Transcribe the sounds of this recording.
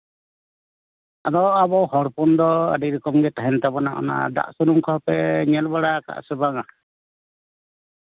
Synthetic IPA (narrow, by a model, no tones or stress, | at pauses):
ad̪ɔabɔhɔɽpɔnd̪ɔə̰ɖiɾɛkɔmɡɛt̪aɦɛnt̪abɔnaʔɔ̰na̰d̪a̰ʔsɔnumkʰɔhpɛɲɛlbaɽaka̰ʔsɛbaŋa